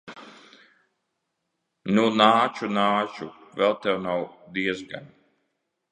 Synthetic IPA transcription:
nunaːt͡ʃunaːt͡ʃuvɛlˠt̪ɛwnawd̪iɛzɡa̰n

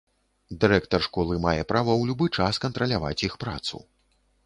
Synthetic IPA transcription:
d̪ɨɾɛkt̪ɐrʂkɔlˠɨmajɛpɾavɐwlʲubɨt͡ʂaskɐnt̪ɾɐlʲava̰t͡sʲixpɾa̰t̪sṵ

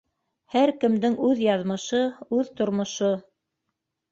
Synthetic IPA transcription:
hæɾkɘ̆md̪ɘŋʉðjɑðmɤ̆ʃɤʉðt̪ŏɾmŏʃo

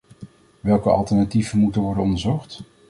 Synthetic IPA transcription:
ʋɛlˠkəɑ̰lˠtɛɹnativənmutənʋɔɹdənɔndəɹzɔχt

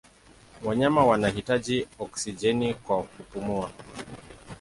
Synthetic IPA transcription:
waɲamawanahitaʄiɔksid͡ʒɛnikwakupumua

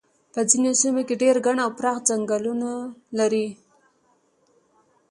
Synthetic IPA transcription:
pəd͡zinesimokeɖeɾɡaɳawpɾɑxd͡ʒaŋɡalunalaɾi

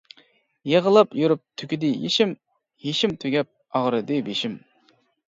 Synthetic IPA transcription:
jeʁəlˠɑpjuɾup̚t̪ʰykʲid̪ɪjeʃim | jeʃimt̪ʰøɡʲɛp̚ | ɑʁɾɨd̪ɨbeʃim

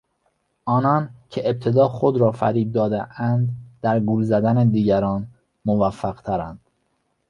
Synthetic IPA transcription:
ʔɒːnɒːncʰeeb̚t̪ʰe̞d̪ɒːxod̪ɾɒːfæ̰ɾiːd̪̚d̪ɒːd̪eʔænd̪d̪æɾɡulzæd̪æned̪iːɟæɾɒːn | movæfːæɣ̥t̪ʰæɾænd̪̥

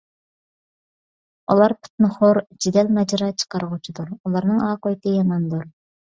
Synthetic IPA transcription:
ulˠɑɾpʰu̥t̪̚nɨχʊɾd͡ʒid̪ɛlmɛd͡ʒɾɑt͡ʃʰə̥qɑɾəʁut͡ʃʰid̪uɾulˠɑɾnɨŋɑːqojt̪ɪjɑmɑnd̪uɾ

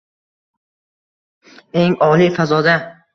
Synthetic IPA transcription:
eŋɒːlifazɔd̪a

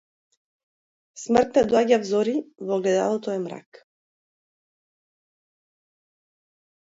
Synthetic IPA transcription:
smr̩t̪nɛd̪ɔaɟavzɔɾivɔɡlɛd̪a̰lˠɔt̪ɔɛmɾa̰k

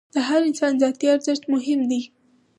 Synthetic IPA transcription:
d̪̥əɦaɾɪnsɑnzɑjt̪iaɾzɪʃt̪mʊɦɪmd̪i

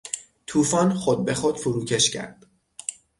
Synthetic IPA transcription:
t̪ʰuːfɒːnχod̪̚be̞xod̪̥fuɾuːcʰe̞ʃcʰæ̰ɾd̪̥

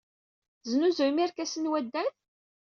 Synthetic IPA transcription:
znuzəwmiɾkæsənwæd̪ːænθ

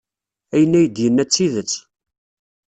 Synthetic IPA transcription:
æjənːæjəd̪jənːæt͡sːiðət͡sː

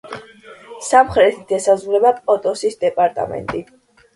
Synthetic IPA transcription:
samχɾɛt̪ʰit̪ʰɛsazɾɛbapʼɔt̪ʼɔsisd̪ɛpʼaɾt̪ʼa̰mɛ̰nt̪ʼi

